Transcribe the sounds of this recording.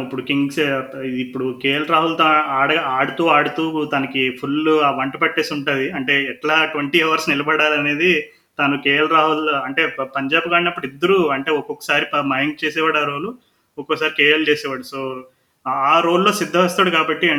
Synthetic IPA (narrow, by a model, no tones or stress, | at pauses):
ipːuɽukiŋɡsiipːuɽukeːjlɾaːɦult̪oaːɽɐaːɽut̪uːaːɽut̪uːt̪ɐnɐkipʰulːʋɐɳʈɐpɐʈːeːsuɳʈaːd̪iɐɳʈe̞ːɛʈlaːʈʋɐɳʈiɐʋɐɾsnilɐbɐɽaːlɐne̞ːd̪i | t̪anukeːjlɾaːɦulɐɳʈe̞ːpɐɲd͡ʒaːbɡaːɽinɐpːuɽid̪ːɐɾuɐɳʈe̞ːɔkɔkːɐ̥saːɾipɐmɐjɐŋt͡ʃeːsɛːʋaːɽaːɾo̞ːlu | ɔkːɔkɐsaːɾikeːjɐlt͡ʃeːsɛːʋaːɽusoː | aːɾo̞ːlːoːsid̪ʱːɐʋɐst̪uːɽukaːbɐʈːiɐ